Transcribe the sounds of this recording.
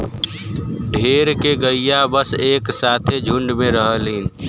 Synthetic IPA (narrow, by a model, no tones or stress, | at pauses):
ɖʱeːɾkeɡəijabəseːksaːt̪ʰed͡ʒʱʊɳɖmeɾəɦəlɦin